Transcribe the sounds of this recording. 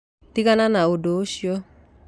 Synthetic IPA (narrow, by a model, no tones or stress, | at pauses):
tikananaodooʃjɔ